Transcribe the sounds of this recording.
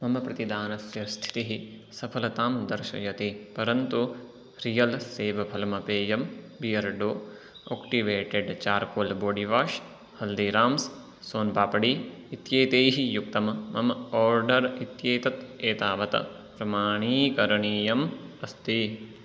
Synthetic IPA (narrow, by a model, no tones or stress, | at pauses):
mɐmɐpɾɐt̪id̪aːnɐsjɐst̪ʰi̥t̪iɦi | sɐpʰɐlɐt̪aːmd̪ɐɾʃɐ̰jɐt̪ipɐɾɐnt̪u | ɾijɐlseːʋɐpʰɐlɐmɐpeːjɐm | bijɐɾɖoː | oːkʈiʋeːʈeɖt͡ʃaːɾkoːlboːɖiʋaːʃ | hɐld̪iːɾaːms | soːnbaːpɐɽiːit̪jeːt̪eːɦijuk̚t̪ɐmmɐmɐɔːɾɖɐɾit̪jeːt̪ɐt̪eːt̪aːʋɐt̪ɐ̰ | pɾɐmaːɳiːkɐɾɐɳiːjɐmɐst̪i